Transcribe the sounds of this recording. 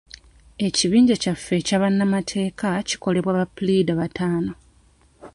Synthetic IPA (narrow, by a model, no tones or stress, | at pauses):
e̞ciβiːɲɟecafːe̞caːβanːamatʰe̞ːkaci̥ko̞le̞βwaβaplidaβatʰaːno̞